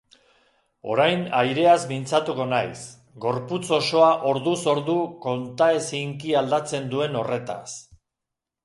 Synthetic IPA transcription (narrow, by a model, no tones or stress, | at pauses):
o̞̰ɾajnajɾe̞azmint͡sat̪uko̞najs | ɡo̞ɾput͡so̞so̞aʔo̞ɾðuso̞ɾðuko̞nt̪ae̞siŋkiald̪at͡se̞nd̪ue̞no̞re̞t̪a̰s